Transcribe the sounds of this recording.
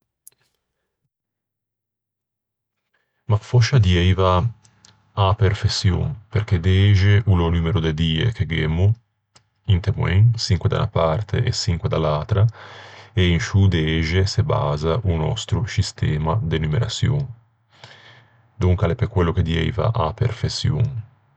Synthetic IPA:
mafɔʃad̪jɛjva | aperfesːjo̰ŋperked̪eeʒeʔulonymeɾod̪ed̪iːḛkeɡemːu | int̪emw̰eŋsiŋkwed̪a̰unapart̪ʰḛʔḛsiŋkwed̪alːaːt̪ɾa | einʃud̪eeʒeseba̰ːzaʔunɔ̰st̪ɾusist̪ɛːmad̪enumeɾa̰t̪sjo̰ŋ | d̪uŋkalepekwelːoked̪jɛ̰jva̰ʔapḛrfesːjṵŋ

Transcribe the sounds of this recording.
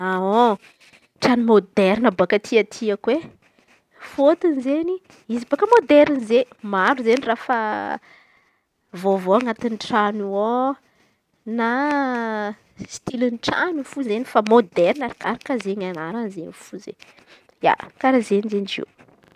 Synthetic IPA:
ao | ʈ͡ʂanumod̪ɛɾinəbakət̪ʰiat̪ʰiakwe | fot̪inzeni | izibakəmod̪ɛɾinzemaɾuzenirafə | vovoaŋat̪inʈ͡ʂanuo | na | st̪ilinʈ͡ʂa̰nufuzenifamod̪ɛɾnaɾikaɾakazeɲanaɾanzenifuzḛ | ja̰kaɾazenizent͡ʃḛw

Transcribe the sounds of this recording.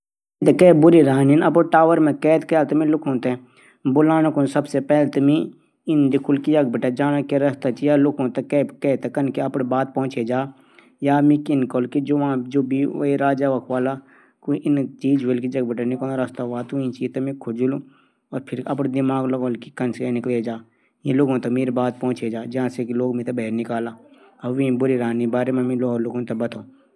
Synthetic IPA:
it̪ekɛːbʊɾiɾaːninɐpɽʈaːʋəɾmẽkɛːt̪kɛːt̪mẽlʊkʰõːt̪e | bʊlaːñakʊnsɐbsepɛːlt̪ɐmĩ | ɪnd̪ɪkʰʊlkid͡ʒɐɡbɪʈad͡ʒaːnakeɾɐst̪at͡ʃijaːlʊkʰõːt̪akɛːkɛːt̪kɐnkeɐpɽbaːt̪̚pɔ̃ːt͡ʃed͡ʒaː | jaːmĩkɪnkoːlkid͡ʒoːʋãd͡ʒoːbʱiʋiɾaːd͡ʒaːʋəkʰʋaːla | kuʔɪnt͡ʃiːd͡ʒʋelkid͡ʒɐɡ̚bəʈənɪkoɾɐst̪aʋaːt̪uĩt͡ʃiːzt̪ɐmĩkʰʊd͡ʒlũ | ɔːɾpʰɪɾɐpɽd̪ɪmaːɡlɐɡolkikɐnskenɪkled͡ʒaː | jĩloːɡõt̪ɐmeːɾebaːt̪̚pɔ̃ːt͡ʃed͡ʒaːd͡ʒɐɦãsekiloːɡmĩt̪ɐbɐɦɾnɪkaːlaː | ɐbʋĩbʊɾiɾaːnibaːɾemẽmĩloːɦɾlʊɡõt̪ɐbɐt̪ʰoː

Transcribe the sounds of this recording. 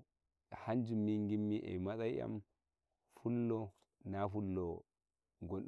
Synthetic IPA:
hand͡ʒumːiŋɡimːiʔɛ̰masajʔa̰m | fulːɔ | nafulːɔ | ɡon

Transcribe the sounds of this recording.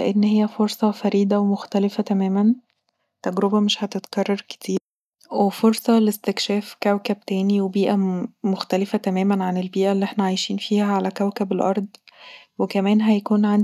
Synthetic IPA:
ʔenːhejːæfoɾsˤɑfæɾiːd̪æwemoxt̪ælefæt̪æmæːmæn | t̪æɡɾobæmeʃhæt̪et̪kɑrˤːɑɾˤke̥t̪ʰiːɾ | wefoɾsˤɑlest̪ekʃæːfkæwkæb̚t̪æːniwebiːʔæmoxt̪ælefæt̪æmæːmænʕanelbiːʔælːiʔeħnæʕajʃiːnfiːhæʕalækæwkæbelʔɑɾˤd̪ˤwekæmæːnɦæjækuːnʕan

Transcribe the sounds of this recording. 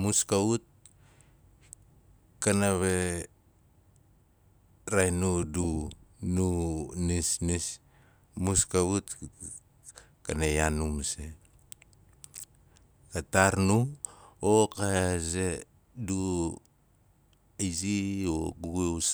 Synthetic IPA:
muskaut̚ | kanaβe | ɾajnudununisnis | muskaβut | kanejanumse | kataɾnuokaze | du | izioɡuɡes

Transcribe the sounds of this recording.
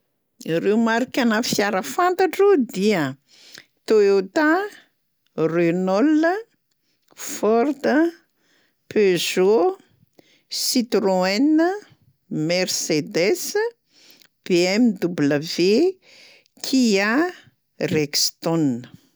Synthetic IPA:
irewmaɾikʲanafiaɾəfant̪aʈ͡ʂod̪iə | t̪oeot̪a | renɔlə | fɔrd̪ə | pezo | sit̪roɛnə | mersed̪es | b̥eɛmd̪ubləve | kʰia | rekst̪ɔnə

